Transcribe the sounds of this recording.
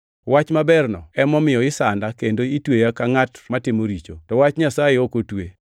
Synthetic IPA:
wat͡ʃmabɛrnɔɛmɔmɪjɔɪsandakendoitwejakaŋatmatɪmoɾit͡ʃotɔwat͡ʃɲasajeokotwe

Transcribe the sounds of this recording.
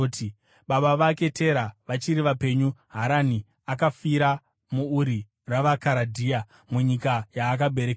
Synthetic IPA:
ti | ɓaɓaʋake̞te̞ɾaʋat͡ʃiɾiʋape̞ɲuɦaɾani | akafiɾa | muːɾi | raʋakaɾadʱiːa | muɲikajaːk̬abʱe̞ɾek

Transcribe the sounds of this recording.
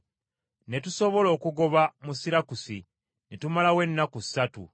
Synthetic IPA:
ne̞tuso̞βo̞lo̞ːkuɡo̞βamusiɾakusi | netumalawe̞nːakusːatṵ

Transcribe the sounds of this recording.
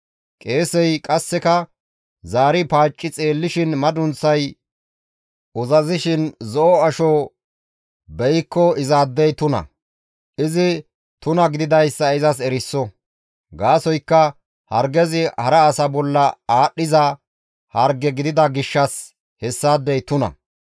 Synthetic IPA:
kʼe̞ːsɛjkʼɐsːɛkɐ | zaːɾɪpaːt͡ʃʼːɪt͡sʼe̞ːlːɪʃɪnmɐd̪ʊnt͡sːɐj | ʊzɐzɪʃɪnzɔʔɔɐʃo | bɛjkːɔɪzaːd̪ːɛjt̪ʊnɐ̰ | ʔɪzɪ | t̪ʊnɐɡɪd̪ɪd̪ɐjsːɐɪzɐs̬ɛɾɪsːɔ | ɡaːsɔjkːɐ | hɐɾɡɛzɪhɐɾɛːsɐbɔlːɐaːɗɪzɐ | hɐɾɡɛɡɪd̪ɪd̪ɐɡɪʃːɐs | hɛsːaːd̪ːɛjt̪ʊnɐ̰

